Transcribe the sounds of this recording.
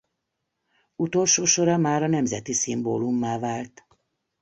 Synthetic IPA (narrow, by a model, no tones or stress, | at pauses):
ut̪o̞lʃoːʃoɾɒmaːɾɒnɛmzɛt̪isimboːlumːaːvaːlt̪